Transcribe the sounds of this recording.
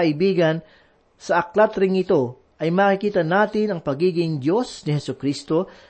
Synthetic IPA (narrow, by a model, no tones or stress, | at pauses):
ɐʔɪbiːɡɐn | sɐʔɐklat̪ɾɪŋɪt̪o̞ | ʔɐjmaːkɪkiːt̪ɐnaːt̪ɪnɐŋpɐɡiːɡɪŋd̪o̞snɪhɛsʊkɾist̪o̞